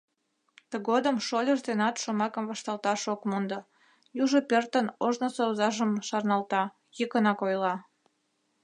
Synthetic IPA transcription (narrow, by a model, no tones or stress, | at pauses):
t̪əɣod̪əmʃolʲəʒd̪enɑt̪ʃomɑkəmvɑʃt̪ɑlt̪ɑʃokmond̪ɤ̆ | juʒəpert̪ənoʒnoseuzɑʒəmʃɑrnɑlt̪ɑ | jəkənɑkojlɑ